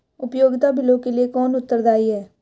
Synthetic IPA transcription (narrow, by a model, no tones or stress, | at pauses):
ʊpjoːɡt̪abʱɪlõkeliekɔːnʊt̪ːəɾd̪aːiɦɛː